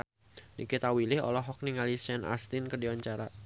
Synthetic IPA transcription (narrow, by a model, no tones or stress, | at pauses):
nḭkit̪awilɪhɔ̰lɔɦɔk̚niŋalisɛnʔa̰st̪inkədiwaɲt͡ʃaɾa